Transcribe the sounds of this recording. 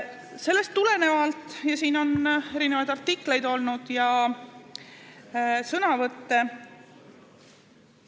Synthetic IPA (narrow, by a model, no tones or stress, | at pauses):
se̞lːe̞st̪ːule̞ne̞vɑlt̪ˑjɑsiːno̞ne̞ɾine̞vɑjd̪ɑrt̪ːikle̞jd̪o̞lnud̪̥jɑ | sɤnɑvɤt̪ːe̞